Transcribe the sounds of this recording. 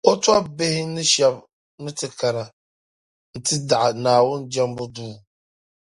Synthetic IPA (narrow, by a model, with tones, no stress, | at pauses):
o˦twa˦be˦hɪ˦nɪ˦ʃɛ˦b | nɨ˦tɪ˨ka˨ɾa˨ | n̩˨tɪ˦da˨ʔa˨naː˨wʊ˦nd͡ʒɛ˦m˦bʊ˦duː˦